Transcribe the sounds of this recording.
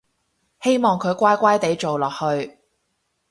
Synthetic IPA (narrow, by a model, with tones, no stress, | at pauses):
he˥jmɔː˨ŋkʰɵ˨˧ɥkʷaː˥jkʷaː˥jt̪e˨˥jt͡so˨wlɔː˨k̚hɵ˧ɥ